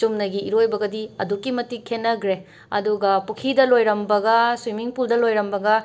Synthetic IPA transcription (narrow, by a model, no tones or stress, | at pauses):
umnɐɡiiɾojbɐɡɐdiɐdukːimɐtikʰːenːɐɡɾe | ɐ̰duɡɐpukʰidɐlojɾɐmbɐɡɐswimiŋpuldɐlojɾɐmbɐɡɐ